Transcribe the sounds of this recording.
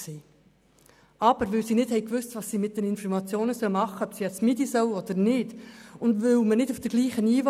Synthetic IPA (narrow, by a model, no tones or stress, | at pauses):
si | ʔɑb̥əɾʋɪlsiːnɪdhɛɪkʋʏstvɑsːiːmɪt̚d̥ɛnɪnfɔɾmɑt͡sjoːnəsœlmɑχəɔpsiɛt͡smidisœwɔd̥̪əɾnɪd̥ʊndvʏwmənɪdufd̥əɡ̥liːχəniːʋ